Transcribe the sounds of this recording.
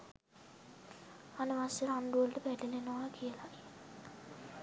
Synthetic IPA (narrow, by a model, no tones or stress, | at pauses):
anəʋaseɾaɳɖuʋəlʈəbæʈelenoʋakʰijəla